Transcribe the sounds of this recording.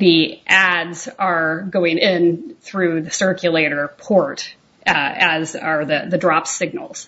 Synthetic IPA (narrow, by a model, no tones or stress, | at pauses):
ðiʔædzə˞ɡoʊɪ̃ŋɪ̃nθɹʉðɨsɜ˞kjɨleɪɾə˞pʰɔɹt | ɨzə˞ðɨðɨdɹɑpsɪɡ̚nl̩ˠz̥